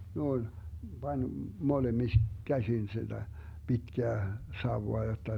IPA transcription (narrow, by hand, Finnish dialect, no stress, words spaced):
noin b̥ɑnʲ molemis kæsin sid̥æ b̥itkæː sɑuwoɑ jotːɑ